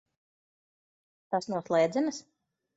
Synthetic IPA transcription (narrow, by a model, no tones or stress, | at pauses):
t̪asnuɔslˠɛjd̪zɛnɐs